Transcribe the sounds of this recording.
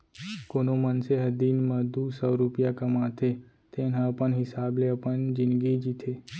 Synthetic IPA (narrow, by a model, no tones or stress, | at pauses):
konomənseɦəd̪iːnməd̪usəʋɾupjakəmat̪ʰe | t̪enãpəɳɦɪsableəpənd͡ʒɪ̃nɡid͡ʒit̪ʰe